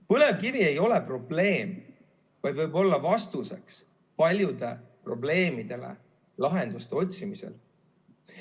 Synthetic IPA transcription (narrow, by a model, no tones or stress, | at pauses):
pɤle̞vkivie̞jo̞le̞pro̞ble̞ːm | vɑjd̪vɤjbo̞lːɑvɑst̪use̞̰ks | pɑlʲjud̪̥e̞pro̞ble̞ːmid̪̥e̞lḛ | lɑɦe̞nd̪̥ust̪e̞o̞t̪ʲsimise̞̰l